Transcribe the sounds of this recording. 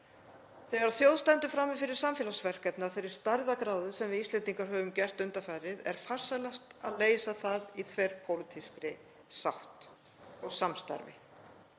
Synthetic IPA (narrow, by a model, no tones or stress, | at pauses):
θeɣaɾawθjowðst̪ɛnt̪ʏfɾamːɪfɪɾɪɾ̥samfjɛːlasvɛr̥kɛpnaθejɾɪɾ̥st̪aɾðakɾaːwðʏsɛmvɪðist̪lɛnt̪iŋkaɾ̥ɦœːvʏmcɛr̥t̪ʏnt̪afaɾɪðɛ̰ɾ̥far̥salast̪aðleːjsaθaðit̪ʰvɛɾ̥pʰowlɪt̪ʰiskɾɪ | saht̪ | ɔɣsamst̪a̰ɾvɪ̰